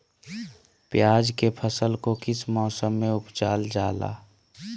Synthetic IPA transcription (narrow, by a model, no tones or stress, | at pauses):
pjaːd͡ʒkepʰəsəlkokɪsmɔːsəmːẽʊpt͡ʃaːld͡ʒaːla̰ː